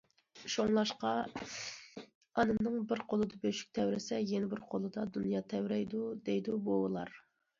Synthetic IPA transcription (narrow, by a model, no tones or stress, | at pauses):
ʃoŋlˠɑʃqɑ | ɑnɨnɨŋbɪɾqʰolˠɨd̪ɑbøʃy̥k̚ʲt̪ʰɛwɾɪsɛjenɪbɪɾqʰolˠɨd̪ɑd̪unjɑt̪ʰɛwɾɛjd̪ud̪ejd̪ubowlˠɑ̰ɾ